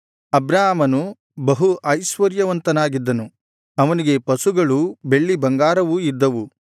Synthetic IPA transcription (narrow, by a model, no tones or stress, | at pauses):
ɐbɾaːmɐnu | bɐɦuʔɐjsʋɐɾjɐʋɐnt̪ɐnaːɡid̪ːɐnu | ɐʋɐniɡe̞pɐsuɡɐɭube̞ɭːibɐŋɡaːɾɐʋuid̪ːɐʋu